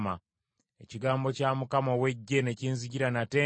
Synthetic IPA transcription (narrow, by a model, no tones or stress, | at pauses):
ma | e̞ciɡaːmbo̞camukamawe̞ɟːe̞ne̞ciːnziɟiɾanate